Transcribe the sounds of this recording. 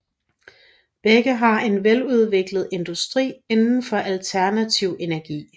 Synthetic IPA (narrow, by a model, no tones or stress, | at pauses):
b̥eɡ̥əɦɑ̈e̝nʋeluð̞ˠʋe̝ɡ̥ləð̞̩ˠe̝nd̥usd̥ʁḭːe̝nn̩fɒ̽ʔælt͡sʰæɐnæt͡sʰiʊ̰e̝næɐɡ̥ḭː